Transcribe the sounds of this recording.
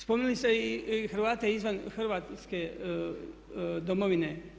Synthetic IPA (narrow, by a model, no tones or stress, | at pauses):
spomnilist̪eixɾ̩ʋaːt̪eizʋanxrʋaːt̪ske̞ | d̪omoʋine